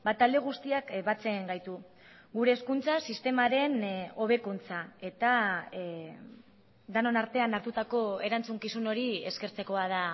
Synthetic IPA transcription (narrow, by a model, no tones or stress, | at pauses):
bat̪ald̪e̞ɣ̞ust̪iakbat͡se̞ŋɡajt̪u | ɣuɾe̞ːskunt͡sasist̪e̞maɾe̞no̞βe̞kunt͡sae̞t̪a | d̪anonaɾt̪e̞anaɾt̪ut̪ako̞e̞ɾant͡suŋkisuno̞ɾie̞skeɾt͡se̞ko̞að̞a